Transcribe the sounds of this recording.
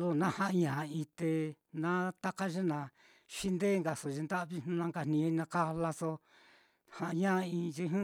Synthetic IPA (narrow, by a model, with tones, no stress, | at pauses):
lo˧nã˧hã˧ʔɲã˨˧ĩ˧t̪e˧ | nã˦t̪a˦ka˦ʒe˦nã˨ | ʃi˦nd̪e˦˧ŋɡa˨so˨ʒi˧nd̪a˦ʔβi˦˧nũ˦nã˧ŋɡa˧˨nĩ˧nã˧ka˦˧la˧so˧ | hã˧ʔɲã˦˧ĩ˧ʒi˧ɦũ˦